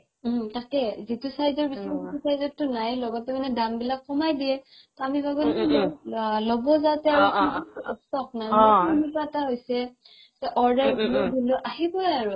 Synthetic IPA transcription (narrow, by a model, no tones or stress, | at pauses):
takɛzitʊsajzɔɹbisɛstusajzɔtːʊnajlɔɡɔtɛmanɛdaŋbilakːɔmajdiɛ | tɔamibʱaɡuliilɔlɔbɔzatɛaɹuɔɔsɔk̚najumitɔɛtaɦojsɛ | zɛʔɔɹdaɹbʱulɔbʱuloʔaɦibɔjaɹu